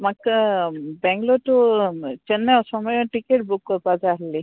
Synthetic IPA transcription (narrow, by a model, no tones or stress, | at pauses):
mak | bɛŋɡlɔtut͡ʃɛnːɛɔsɔmɔjɔʈikeʈ̚bukːɔpazaɦli